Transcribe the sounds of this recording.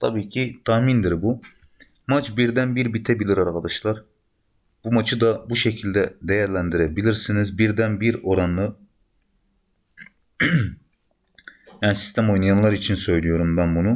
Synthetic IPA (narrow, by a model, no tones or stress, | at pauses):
t̪ʰabiːcʰit̪ʰaxmind̪iɾbu | mat͡ʃbiɾd̪ænbiɾbit̪ʰɛbilʲiɾaɾkʰad̪aʃlˠaɾ | b̥umat͡ʃʰɯd̪abuʃecʰilʲd̪ɛd̪ejæɾlʲænd̪iɾɛbilʲiɾsinizbiɾd̪ænbiɾo̞ɾanɯ | jaːnisi̥st̪ʰæmo̞jnajanlˠaɾit͡ʃʰinsø̞jlʲijo̞ɾumbænbunu